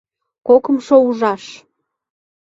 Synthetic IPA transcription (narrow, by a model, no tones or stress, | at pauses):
kokəmʃouʒɑʃ